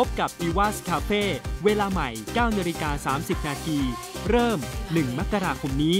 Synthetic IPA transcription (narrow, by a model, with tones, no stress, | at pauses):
pʰo˦˥p̚ka˨˩p̚diː˧waː˥˩skʰaː˧feː˥˩weː˧laː˧ma˨˩jkaː˥˩wnaː˧ɾi˦˥kaː˧saː˩˦msi˨˩p̚naː˧t̪ʰiː˧ | ɾɤː˥˩mnɯ˨˩ŋma˦˥kːa˧ɾaː˧kʰo˧mniː˦˥